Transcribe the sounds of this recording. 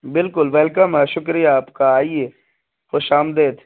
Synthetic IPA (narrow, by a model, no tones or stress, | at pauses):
bɪlkʊlʋɛlkəmɛʃʊkɾijaːpkaaːieː | xoʃaːmd̪eːt̪ʰ